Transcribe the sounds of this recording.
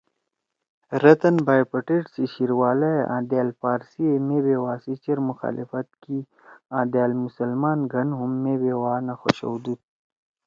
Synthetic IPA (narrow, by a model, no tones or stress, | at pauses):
ɾɐt̪ɐnbaːjpɐʈeʈsiɕiɾwaːlaeʔã̰ːd̪aːlpaːɾsiemebewaːsit͡ʃɐɾmʊxa̰ːlʔḭfɐt̪̚ki | ãːd̪aːlmusɐlmaːnɡɐnɦumːebewaːnaxo̰ʃɐ̰wd̪ut̪̚